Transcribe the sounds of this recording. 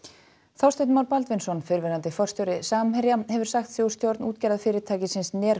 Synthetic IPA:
θawst̪et̪mawɾpalt̪vɪnsɔnfɪɾvɛɾant̪ɪfɔr̥st̪jowɾɪsaːmmɛɾjahɛvʏɾ̥saxt̪sjow̥st̪jowɾt̪nuːt̪cɛjɾaðfɪːɾɪɾt̪ʰaːjcɪsɪnsnɛːɾ

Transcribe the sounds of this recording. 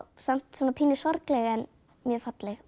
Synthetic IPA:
sam̥t̪sɔːnapʰiːnɪsɔɾklɛɣɛn | mjœːɾfat̪lɛɣ

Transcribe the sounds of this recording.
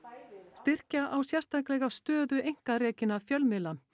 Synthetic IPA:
st̪ɪr̥caʔawsjɛr̥st̪ʰajklɛɣast̪œːðʏejŋ̥karɛːcɪnafjœlmɪla

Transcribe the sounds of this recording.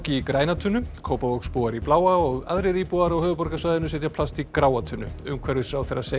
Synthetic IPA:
cɪikɾaːjnat̪ʰʏnːʏkʰoːwpavowkspuːaɾiplaːwaɔɣaðɾɪɾiːpuðaɾawhœːðʏpɔɾkasvajðɪnʏsɛt̪japʰl̥ast̪ikɾaːwat̪ʰʏnːʏʏmkʰvɛɾɪsɾawθejrːase

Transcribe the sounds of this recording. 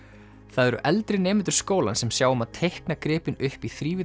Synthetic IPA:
θaðɛɾʏ̰ʔɛlt̪ɾɪneːmɪnt̪ʏ̥ɾ̥skoːwlansɛmsjaːwʏmaðt̪ʰejhknakɾɪːpɪnʏhpiθɾiːvɪ

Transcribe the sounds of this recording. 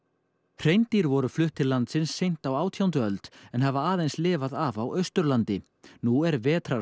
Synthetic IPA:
r̥ejnt̪iɾvɔɾʏflʏht̪ʰɪlːant̪sɪnsːejn̥t̪awaːwt̪ʰjawnt̪̬ʏœlt̪ɛnɦɛvaaːðejnslɪːvaðavawœɥst̪ʏɾlant̪ɪ | nuɛɾvɛːt̪ʰɾa

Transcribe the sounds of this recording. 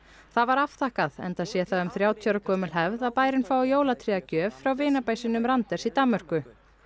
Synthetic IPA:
θaðvaɾafθahkaðɛ̰nt̪asjɛθaðʏmθɾjaːwt̪ʰjœɾakʰɔːmɪlɦɛvðaðpaːjɾɪnfaːwjoːwlat̪ʰɾiacœːvfɾawvɪːnapajsɪnʏmɾant̪ɛɾ̥sit̪amːœr̥kʏ

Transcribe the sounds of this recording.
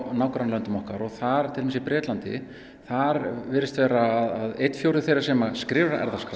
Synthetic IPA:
naːwkɾanlœnt̪ɪmɔhkaɾɔɣθaɾ̥t̪ʰɪlmːsɪipɾɛːt̪lant̪ɪ̰ | θaɾvɪːɾːɪst̪vɛːɾaːðaðejt̪fjowɾðɪθejɾaɾ̥sɛːmaskɾɪːvɾa̰ʔɛ̰ɾðaska

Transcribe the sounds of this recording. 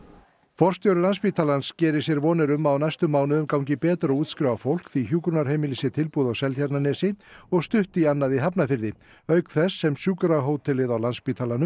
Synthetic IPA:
fɔr̥st̪jowɾʏlanspit̪ʰalanscɛːɾɪ̥sjɛɾvɔːnɛɾʏmawnajst̪ʏmːaːwnʏðʏmkawɲcɪpɛːt̪ɾɔuːt̪skɾɪwawfowl̥kθiçjuːkɾʏnaɾ̥heːjmɪlisɪt̪ʰɪlpuðawsɛlt̪çaɾt̪nanɛːsɪɔɣst̪ʏht̪ianːaðiɦap̬nafɪɾðɪ | œɥkθɛsːɛmsjuːkɾaɦoːwt̪ʰɪlɪðawlanspit̪ʰalanʏm

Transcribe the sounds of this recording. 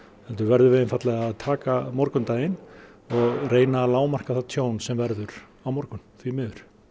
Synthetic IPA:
hɛlt̪ʏɾvɛɾðʏɾvɪðɪnfat̪lɛɣaaðt̪ʰaːkamɔɾkʏnt̪aːjɪn | ɔɣreːjnaːlaːwmar̥kaθat̪ʰjoːwnsɛmvɛɾðʏɾ | awmɔɾkʏnθvimɪːðʏɾ̥

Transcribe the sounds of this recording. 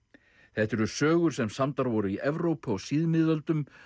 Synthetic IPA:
θɛht̪ɛɾʏsœːɣʏɾ̥sɛmsamt̪aɾvɔɾʏiʔɛvɾowpɔɣsiðmɪðœlt̪ʏm

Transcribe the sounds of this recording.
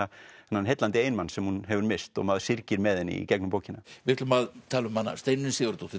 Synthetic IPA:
aɛnːanɦejt̪lant̪ɪeːjnmansɛmhunɦɛvʏɾmɪst̪ɔ̰ɣmaðsɪɾcɪɾmɛðɛnːḭcɛknʏmpowcɪnavɪ̥t̪lʏmaðt̪ʰaːlʏmhanːa̰st̪ejnʏnɪsɪʏɾt̪ɔt̪ɪ

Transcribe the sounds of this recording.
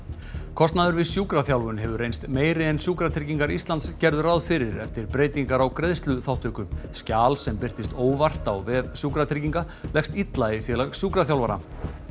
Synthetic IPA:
kʰɔst̪naðʏɾvɪsjuːkɾaθjawlvʏnɦɛvʏɾrejnst̪meːjɾɪɛnsjuːkɾat̪ʰɾiciŋkaɾist̪lant̪scɛɾðʏɾawðfɪɾɪɾɛ̰ft̪ɪɾ̥pɾeːjt̪iŋkaɾawkɾeðst̪lʏθawht̪ʏkʏmscaːlsɛmpɪr̥t̪ɪst̪oːwvar̥t̪awvɛːðsjuːkɾat̪ʰɪciŋka | lɛxst̪it̪laifjɛlasjuːkɾaθjawlvaɾa̰

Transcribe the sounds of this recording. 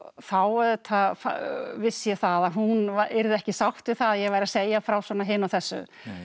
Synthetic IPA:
θawɛðʏt̪ʰafvɪsːjɛθaðaɦunaɛɾðɛhcɪsawht̪vɪθaðjɛɣvaːjɾaseːjafɾawswɔːnaɦɪnawθɛsːʏ̰

